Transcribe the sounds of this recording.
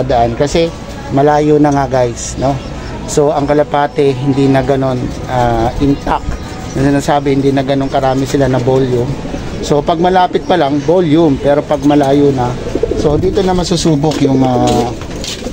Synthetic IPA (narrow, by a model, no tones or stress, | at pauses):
ɐd̪ɐʔankɐsɛ | mɐlaːjonɐŋaɡajsno̞ | so̞ɐŋkɐlɐpaːt̪ɛɦɪnd̪inɐɡɐno̞n | ʔaːʔɪnt̪ak | nɐsɪnaːsaːbɪhɪnd̪inɐɡɐno̞ŋkɐɾaːmɪsɪlanɐboljʊm | so̞pɐɡ̚mɐlaːpɪt̪̚pɐlaŋboljʊmpɛːɾo̞pɐɡ̚mɐlaːjonɐ | sod̪iːt̪onɐmɐsusuːbokjʊŋa